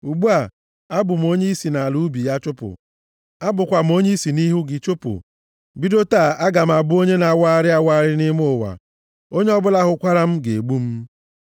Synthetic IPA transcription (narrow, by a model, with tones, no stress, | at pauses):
u˨ɡ͡bu˦a˨ | a˦bʊ˨m̩˨o˦ɲe˦i˦si˨na˨a˨lu˦bi˨ja˦t͡ʃʊ˦pʊ̰˨ | a˦bʊ˨kʷa˨m̩˦o˦ɲe˦i˦si˨ni˦ɦu˦ɡɪ˨t͡ʃʊ˦pʊ̰˨ | bi˦do˦ta˦˨a˦ɡa˨m̩˨a˨bʊ˦o˦ɲe˦na˨wa˦ɾɪ˦a˦wa˦ɾɪ˦nɪ˦m˦ʊ˦˨wa̰˨ | o˦ɲe˦ɔ˦bʊ˦la˦ɦʊ˨kʷa˦ɾa˦m̩˦ɡe˨ɡ͡bu˦m̩˦